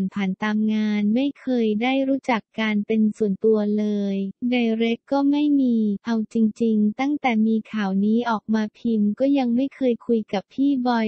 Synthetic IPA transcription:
npʰaː˩˦nt̪aː˧mŋaː˧nma˥˩jkʰɤː˧jdaː˥˩jɾuː˦˥t͡ɕa˨˩kːaː˧npe˧nsu˨˩ənt̪u˧ɐlɤː˧jda˧jɾe˦˥kːɔː˥˩ma˥˩jmiː˧ʔa˧wt͡ɕi˧ŋt͡ɕi˧ŋt̪a˥˩ŋt̪ɛː˨˩miː˧kʰaː˨˩˦wniː˦˥ʔɔː˨˩k̚maː˧pʰi˧mkɔː˥˩ja˧ŋma˥˩jkʰɤː˧jkʰu˧jka˨˩pʰːiː˥˩bɔ˧j

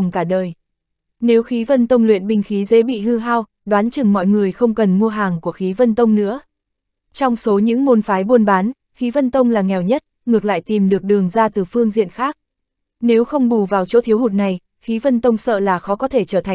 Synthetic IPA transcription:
ŋ͡mkaː˧˩ɗəː˨˩j | ne˨˦wxi˨˦və˧nt̪ə˧wŋ͡mlwḭ˧˨ənɓï˧ŋ̟xi˨˦zḛ˧˥ɓḭ˧˨hɨ˧ɦaː˧w | ɗwaː˨˦nt͡ɕɨ˨˩ŋmɔ̰˧˨jŋɨ˨˩əjxə˧wŋ͡mkə˨˩nmu˧əɦaː˨˩ŋku˧˩əxi˨˦və˧nt̪ə˧wŋ͡mnɨ̰˧˥ə | t͡ɕɔ˧wŋ͡mso˨˦ɲɨ̰˧˥ŋmo˧nfaː˨˦jɓu˧ənɓaː˨˦n | xi˨˦və˧nt̪ə˧wŋ͡mlaː˨˩ŋɛ˨˩wɲə˦˥t̚ | ŋɨ˨˩ək̚la̰ː˧˨jt̪i˨˩mɗɨ˨˩ək̚ɗɨ˨˩əŋzaː˧t̪ɨ˨˩fɨ˧əŋzḭ˧˨ənxaː˦˥k̚ | ne˨˦wxə˧wŋ͡mɓu˧˩vaː˨˩wt͡ɕo̰˧˥t̪ʰi˨˦whu˨˩t̚na˨˩j | xi˨˦və˧nt̪ə˧wŋ͡msə̰ː˧˨laː˨˩xɔ˨˦kɔ˨˦t̪ʰe˧˩t͡ɕəː˧˩t̪ʰa˨˩

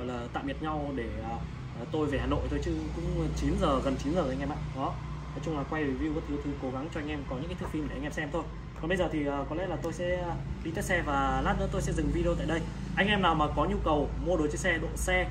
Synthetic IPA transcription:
jlaː˨˩t̪a̰ː˧˨mi˨˩t̚ɲa˧wɗeː˧˩˨ | t̪o˧jve˨˩haː˨˩no̰˧˨jt̪ʰo˧jt͡ɕɨ˨˧˦kʊ̰˧˥ŋ͡mt͡ɕi˨˦nzəː˨˩ɣə˨˩nt͡ɕi˨˦nzəː˨˩˨ŋ̟ʔɛ˧mʔa̰ː˧˨ɗɔ˨˦ | nɔ˨˦jt͡ɕʊ˧ŋ͡mlaː˨˩kwa˧jɗe˨˩vi˧ɣə˦˥t̚ʔi˧wt̪ʰɨ˧ko˨˦ɣa˨˦ŋt͡ɕɔ˧ʔa˧ŋ̟ʔɛ˧mkɔ˨˦ɲɨ̰˧˥kaː˨˦t̪ʰk̚fi˧mɗŋʔɛ˧msɛ˧ɛ˧mt̪ʰo˧j | kɔ˨˩nɓə˧zəː˨˩t̪ʰi˨˩ʔəː˨˩kɔ˨˦lɛ̰˧˥laː˨˩t̪o˧jsɛ̰˧˥˧ɗi˧t̪əː˨˦sɛ˧vaː˨˩laː˦˥t̚nə̰ː˧˥t̪o˧jsɛ̰˧˥zɨ˨˩ŋvi˧i˧t̪a̰ː˧˨jɗə˧j | ʔa˧jŋ̟ʔɛ˧mnaː˨˩wmaː˨˩kɔ˨˦ɲu˧kə˨˩wmo˧ɗo˨˦t͡ɕə˨˧˦sɛ˧ɗo̰˧˨nsɛ˧

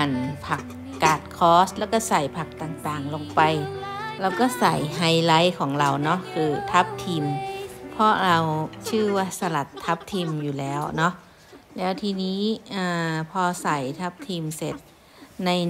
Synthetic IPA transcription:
ʔa˧˩npʰa˧˩kː | aː˨˩t̪̚kʰɔː˧˥st̪̚lɛ˧˩wka˧˩sa˨˩jpʰa˧˩k̚t̪aː˨˩ŋt̪aː˨˩ŋlo˧ŋpa˨jla˧wkɔ˧˩sa̰˨˩˦jɦa˧˩jla˧˥˨jkʰɔː˩˦ŋla˧wnɔ˦˥kʰɯː˧t̪ʰa˦˥p̚t̪ʰiː˧˩mpʰɔ˧ɾa˧wt͡ɕʰɯː˧˩waː˧˩sa˧la˨˩t̪ʰːa˧˦˥p̚t̪ʰiː˧mjuː˨˩lɛː˦˥wnɔ˧˦˥ʔ | lɛː˦˥˩wt̪ʰiː˧niː˦˥˨ʔaː˧˩pʰɔː˧sa˨˩˦jt̪ʰa˧˥p̚t̪ʰiː˧mse˨˩t̪̚ | na˧j

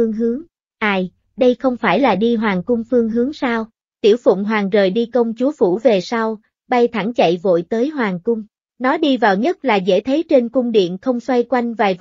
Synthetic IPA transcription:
ɨ˧əŋɦɨ˨˦əŋ | ʔaː˧˩j | ɗə˧jxə˧wŋ͡mfaː˧˩jlaː˨˩ɗi˧ɦwaː˨˩ŋkʊ˧ŋ͡mfɨ˧əŋɦɨ˨˦əŋsaː˧w | t̪ḭ˧˩əwfʊ̰˧˨ŋ͡mɦwaː˨˩ŋzəː˨˩jɗi˧kə˧wŋ͡mt͡ɕu˨˦fṵ˧˩ve˨˩sa˧w | ɓa˧jt̪ʰa˧˩ŋt͡ɕə̰˧˨jvo̰˧˨jt̪əː˨˦jɦwaː˨˩ŋkʊ˧ŋ͡m | nɔ˨˦ɗi˧vaː˨˩wɲə˦˥t̚laː˨˩zḛ˧˥t̪ʰe˨˦t͡ɕe˧nkʊ˧ŋ͡mɗḭ˧˨ənxə˧wŋ͡mswa˧jkwa˧jŋ̟vaː˨˩jv

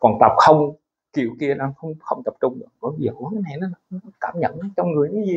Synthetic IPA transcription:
kɔ˨˩nt̪ə˨˩p̚xə˧wŋ͡m | ki˧˩ə˨wki˧ənaː˧˦xə˧wŋ͡mxə˧wŋ͡mt̪ə˨˩p̚t͡ɕʊ˧ŋ͡mɗɨ̰˧˩ŋɓəː˧˩˨zəː˨˩ʔkaː˨˦jna˨˩jnɔ˨˦˨ɔ˨˦nɔ˨˦kaː˧˩˨mɲə̰˧˨nɔ˨˦t͡ɕɔ˧wŋ͡mŋɨ˨˩əjni˨˦zi˨˩

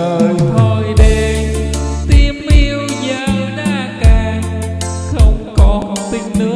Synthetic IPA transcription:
əː˨˩jt̪ʰo˨˧˩jɗe˧˩ | t̪i˧˩əmʔi˧əwzəː˨wɗaː˧kaː˧˩ | xə˧wŋ͡mkɔ˨˦t̪i˧˩ŋnɨ˧˦ə

